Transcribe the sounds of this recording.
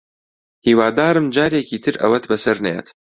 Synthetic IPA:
hiːwaːd̪aːɾɨmd͡ʒaːɾeːkʰiːt̪ʰɨɾʔɐ̰wɐt̪bɐsɐɾnɛjḛːt̪

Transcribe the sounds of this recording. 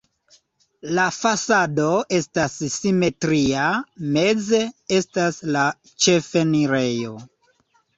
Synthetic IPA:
lafasado̞e̞stassime̞tɾiame̞d͡ze̞e̞stasla | t͡ʃe̞feniɾe̞jo̞

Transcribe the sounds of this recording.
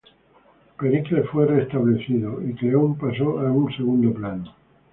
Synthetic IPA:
pe̞ɾiklefwe̞re̞st̪aβle̞θiðoikleompaso̞ʔaunse̞ɣund̪o̞plano

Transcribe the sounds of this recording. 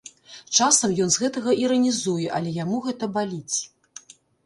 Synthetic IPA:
t͡ʂasɐmjɔnzɣɛt̪ɐɣɐʔiɾɐnʲizujɛʔɐlʲɛjamuɣɛt̪ɐbalʲit͡sʲ

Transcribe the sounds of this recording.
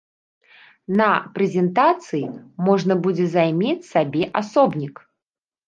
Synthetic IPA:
nɐpɾɛzʲɛnt̪at̪sɨjimɔʐnɐbud͡zʲɛzajmʲet͡sʲsabʲɛʔasɔbnʲik

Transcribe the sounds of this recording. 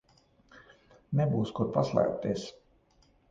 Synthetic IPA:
nɛbuːskuɾpaslˠa̰ːp̚t̪es

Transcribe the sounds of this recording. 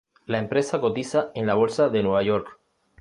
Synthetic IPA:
laempɾesako̞t̪isaenlaβ̞o̞lsaðe̞nwe̞β̞aʝo̞ɾk

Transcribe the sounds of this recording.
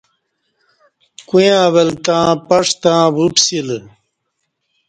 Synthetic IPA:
kũjãːwelt̪ãːpɐʂt̪ãːbupsil

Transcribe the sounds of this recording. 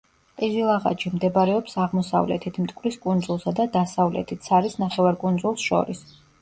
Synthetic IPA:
pʼizilˠaʁa̰t͡ʃimd̪ɛbɾɛɔpsaʁmɔsa̰vlɛ̰t̪ʰit̪ʰmt̪ʼkʼɾiskʼund̪zulˠsad̪ad̪asavlɛ̰t̪ʰit̪ʰsʰaɾisnaχɛvaɾkʼund̪zulˠsʃɔ̰ɾis

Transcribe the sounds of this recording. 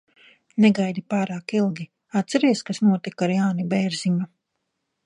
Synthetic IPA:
neɡajd̪ipaːɾaːkilˠɡʲi | at̪̚sɛɾiɛskasnuɔt̪ikaɾjaːnibɛjɾzima

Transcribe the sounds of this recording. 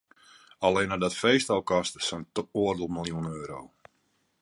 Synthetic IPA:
alenadɔtfejstɔlˠkɔstəsɔntoərdəlˠməlˠjunøːɾo̰w

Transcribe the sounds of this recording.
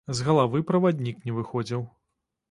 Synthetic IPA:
zɣɐlˠavɨpɾɐvad̪ʲnʲiknʲɛvɨxɔd͡zʲiw

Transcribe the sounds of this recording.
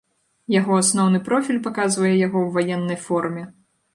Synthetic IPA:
jaɣɔasnɔwnɨpɾɔfʲilʲpakazvɐjɛjaɣɔwvajɛnːɐjfɔrmʲɛ

